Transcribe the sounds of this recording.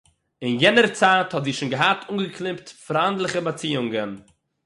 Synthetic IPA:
ɪnjɛnəɾt͡saːthɔtziːʃuːnɡəɦatʰuŋɡəklˠɪmptfɾandlˠɪχəbat͡siːʊŋɡən

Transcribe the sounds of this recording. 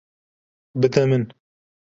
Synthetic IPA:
bɨt̪ɛmɨn

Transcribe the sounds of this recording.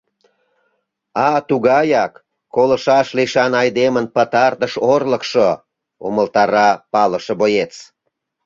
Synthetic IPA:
ɑt̪uɣɑjɑkː | olə̆ʃɑʃliʃɑnɑjd̪emənpət̪ɑrt̪əʃorlə̆kʃo | oməlt̪ɑɾɑpɑləʃəbojet͡s

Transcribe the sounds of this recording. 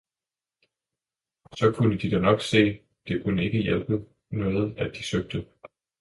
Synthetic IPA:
sɒ̽kʰunəd̥id̥ænɒ̽ɡ̥se̝̰ː | d̥e̝kʰunəe̝ɡ̥əjelb̥ð̩ˠ | nɔ̽ːð̞̩ˠæd̥isøɡ̥̚d̥ə

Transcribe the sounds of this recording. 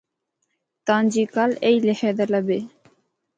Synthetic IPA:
t̪ãːnd͡ʒiːkaleːiːleheːd̪ələbeː

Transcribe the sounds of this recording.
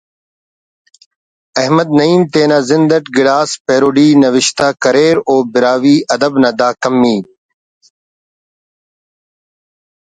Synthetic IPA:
ɐɦməd̪̚nɐiːmt̪eːnaːzɪnd̪əʈɡɪɽaːspeːɾoːɖiːnɐʋɪʃt̪aːkɐɾeːɾoːbɪɾaːʋiːʔɐd̪əbnɐd̪aːkɐmːiː

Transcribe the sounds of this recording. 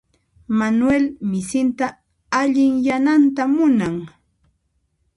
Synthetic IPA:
manwelmɪsɪnt̪a | aʎɪŋjanant̪amʊnaŋ

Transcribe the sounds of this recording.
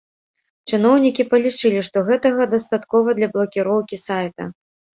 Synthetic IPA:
t͡ʂɨnɔwnʲikʲipɐlʲit͡ʂɨlʲiʂt̪ɔɣɛt̪ɐɣɐd̪ɐst̪at̪kɔvɐd̪lʲɐblˠɐkʲiɾɔwkʲisajt̪ɐ̰

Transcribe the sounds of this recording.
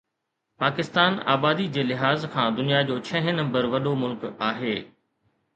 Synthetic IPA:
paːkɪst̪aːna̰ːbaːd̪id͡ʑeːlɪɦaːzkʰãːd̪ʊnijad͡ʑoːt͡ɕʰɐ̃ɦɪ̃nɐ̃mbəɾʋɐɗomʊlkaːɦeː

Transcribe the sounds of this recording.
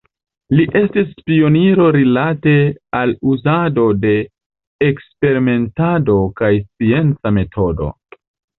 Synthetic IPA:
liʔe̞stispio̞niɾo̞ɾilate̞aluzado̞de̞ː | kspe̞ɾime̞ntado̞kajst͡sie̞nt͡same̞tʰo̞do̰

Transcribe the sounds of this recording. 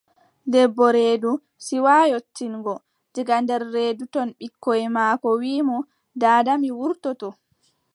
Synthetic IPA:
dɛbːɔɾeːdu | siwaːjotːinɡɔ | d͡ʒiɡandɛɾːeːdutɔnɓikːɔjmaːkɔwiːmɔ | daːdamiwuɾtɔtɔ

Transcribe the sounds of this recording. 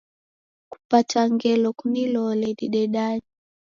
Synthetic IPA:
ku̥pataŋɡɛlɔkunilɔlɛɗiɗɛɗani

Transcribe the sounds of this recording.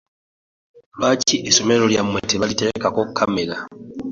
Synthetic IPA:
lwaːciʔeso̞meɾo̞ljamweteβalite̞ɾekako̞kkʰːamela

